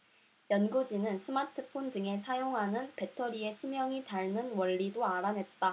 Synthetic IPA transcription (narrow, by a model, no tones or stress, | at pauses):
jʌnɡud͡ʑinɯnsʰɯmatʰɯpʰondɯŋe̞sʰajoŋɦanɯnpe̞tʰʌɾie̞sʰumjʌŋitaɭnɯnwʌʎːidoaɾanɦe̞t̚t͈a